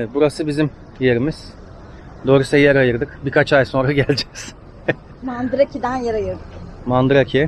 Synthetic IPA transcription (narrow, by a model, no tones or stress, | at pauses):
eɛt̪̚buɾasɯbizim | je̞ɾimiz̥ | d̪o̞ːɾusɛjɛɾajɯɾd̪ɯkbikʰat͡ʃajso̞nɾaɡɟælʲd͡ʒɛz̥ | mand̪ɯɾacʰid̪ænjaɾajɯɾd̪ukmand̪ɯɾacʰi